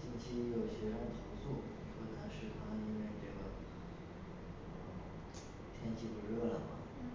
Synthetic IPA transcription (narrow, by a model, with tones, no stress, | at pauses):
ɕi˥nt͡ɕʰi˥jo˨˩ʊɕɥɛ˧˥ʂa˥˩t̪ʰo˧˥ʊsu˥˩ | ʂo˥t̪ʰa˥ʂɻ̩˥˩kʰɑ˧˥˧i˥nwɛ˥˩ʈ͡ʂɤ˥˩ɡə˩ | ə˧˩ | t̪ʰjɛ˥nt͡ɕʰi˥˩pu˧˥ɻɤ˥˩lə˩mɐ̰˨˩